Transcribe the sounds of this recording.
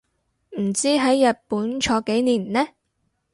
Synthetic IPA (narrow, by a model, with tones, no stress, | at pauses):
m̩˨˩t͡siː˥ɦɐ˨˥jːɐ˨t̚puː˨˥nt͡ʃʰɔː˨˥ke˨˥jniː˨˩nlɛː˥